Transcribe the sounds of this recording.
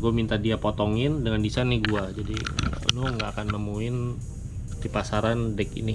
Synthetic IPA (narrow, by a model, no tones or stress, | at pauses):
ɡuamint̪adiapot̪ɔŋɪndəŋandisaniɡuad͡ʒadḭnʊŋɡaːkanːəmuɪn | dipasaɾandɛkḭnɪ